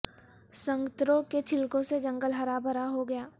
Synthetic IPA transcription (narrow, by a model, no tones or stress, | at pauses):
sɐ̃ŋɡt̪ɾõket͡ʃʰɪlkõsed͡ʒɐ̃ŋɡəlɦɐɾaːbʱəɾaɦoɡɐjaː